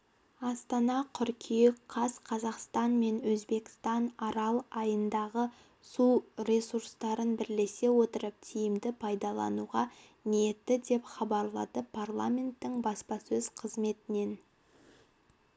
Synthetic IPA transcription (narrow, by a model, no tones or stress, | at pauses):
ɑst̪ɑnɑqʰʏɾkʲʰijekqʰɑsqʰɑzɑqst̪ɑnme̞nwɵzbe̞kʲɪ̥st̪ɑnɑɾɑlˠɑjənd̪ɑʁə | suɾʲe̞suɾst̪ɑɾənbɪɾle̞se̞wo̞t̪əɾəp̚t̪ʰijɪmd̪ɪpʰɑjd̪ɑlˠɑ̰nuʁɑ | nijet̪ːɪd̪e̞pχɑbɑɾlˠɑ̰d̪əpʰarlˠamʲe̞nt̪ːɪŋbɑspɑsɵz̥qʰəzme̞t̪ɪne̞n